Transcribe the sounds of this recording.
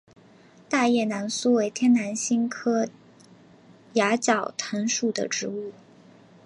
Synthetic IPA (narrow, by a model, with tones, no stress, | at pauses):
t̪a˥˧jɛ˥˩na˧˥nsu˥we˧˥ɪt̪ʰjɛ˥nna˧˥nɕi˥nkʰɤ˥ | ja˧˥t͡ɕjɑ˨˩ʊt̪ʰə˧˥nʂu˥˩d̪ə̰˩ʈ͡ʂɻ̩˧˥u˥˩